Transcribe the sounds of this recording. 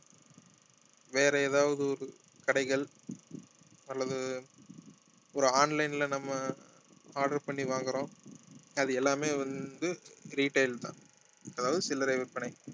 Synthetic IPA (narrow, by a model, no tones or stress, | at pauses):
ʋeːɾɛeːðaːʋɐðɯɔɾɯ | kɐɽɐɪɣɐɭ | ɐlːɐðɯ | ɔɾɯaːnlɐɪnɪlɐnɐmːɐ | aːɾɖɐɾpɐɳːiʋaːŋɡɯɾõː | ɐðɯɛlːaːmeːʋɐnd̪ɯɾiːʈɐɪlt̪ã̰ː | ɛðaːʋɐðɯsɪlːɐɾɐɪʋɪɾpɐɳɐɪ